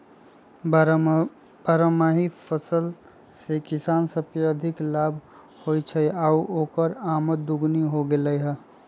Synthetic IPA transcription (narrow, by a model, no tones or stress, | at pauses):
paɾəmaɦipʰəsəl | sekisaːnsəb̚keəd̪ʱiklabʱ | hojt͡ʃʰəauoːkəɾaməd̪ːuɡniɦoɡeləjɦə